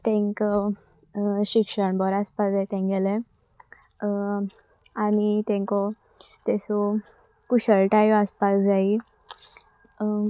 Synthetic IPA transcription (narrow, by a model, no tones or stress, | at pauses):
t̪ɛ̃ŋk | ɕikʂəɳbɔɾaspasd͡zajt̪ɛ̃ŋɡɛle | añit̪ɛ̃ŋkɔ | t̪ɛsɔ | kuɕəɭʈaiʋaspasd͡zai